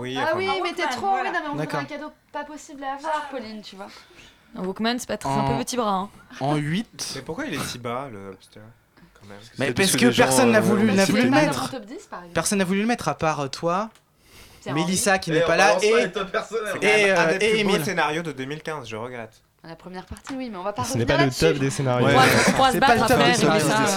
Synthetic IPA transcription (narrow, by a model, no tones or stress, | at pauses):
wiawimɛt̪ɛt̪χoinɔ̃meɔ̃d̪akɔɛ̃kʲad̪opapɔsiblavwaʁpɔlint̪yvwã | wukmansɛ̥pat̪χɛ̃pøpət̪ibʁãɑ̃ɥit̪mɛpuʁkwailɛsibaləpt̪a | kɑ̃mɛ̰mmɛpaskəpɛʁsɔnːavulynavulylmɛt̪χt̪ɔp̚d̪ispaʁɛzpɛʁsɔnːavulyləmɛt̪χapaʁøt̪ʰwa | melisakʲinɛpalaet̪ɔppɛʁsɔnɛeøaɛemisenaʁjod̪əd̪ømilkʲɛ̃zʒəʁəɡʁɛt̪ | lapχəmjɛʁpaʁt̪iwimɛɔ̃vapasənɛpalət̪ɔp̚d̪esenaʁjwɛosɛpalət̪ɔpd̪es